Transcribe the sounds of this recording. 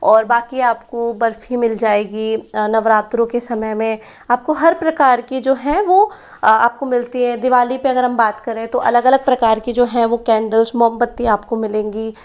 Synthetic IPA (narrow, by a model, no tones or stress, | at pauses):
ɔːɾbaːkiaːpkobɐɾfimɪld͡ʒaːeːɡinɐʋɾaːt̪ɾõkesɐməɦmẽ | aːp̚koɦɐɾpɾɐkaːɾkid͡ʒoːɦɛ̃ʋo | a̰ːp̚komɪlt̪iɦɛ̃d̪ɪʋaːlipeɐɡəɾɦɐ̃mbaːt̪kɐɾẽt̪oʔɐ̰ləɡɐləɡ̚pɾɐkaːɾkid͡ʒoːɦɛ̃ʋokɛ̃ːɳɖəlsmɔːmpət̪ːiaːpkomɪlẽːŋɡiː